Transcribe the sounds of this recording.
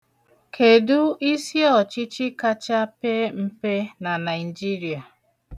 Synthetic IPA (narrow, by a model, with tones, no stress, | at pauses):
kʰe˨du˦i˦sje˦ɔ˨t͡ʃi˦t͡ʃi˦ka˦t͡ʃa˦pe˦m̩˦pe˦na˨na˨ɪ˨d͡ʒi˦ɾi˨a˨